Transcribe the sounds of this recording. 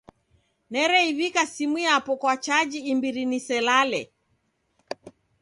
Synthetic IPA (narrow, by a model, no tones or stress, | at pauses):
nɛɾɛiβikasimiapɔkwat͡ʃad͡ʒiːmbiɾinisɛlalɛ